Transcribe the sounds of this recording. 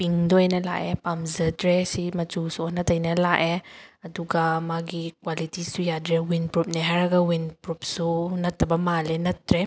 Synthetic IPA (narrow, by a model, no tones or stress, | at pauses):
piŋdɔejnɐla̰ʔepamzədɾesimɐt͡ʃusuɔnɐtɐjnɐlaʔeɐduɡamaɡikwalitisujadɾɛwinpɾup̚nɛɦaɾaɡawinpɾup̚sunɐt̪ːabamalɛnɐtɾɛ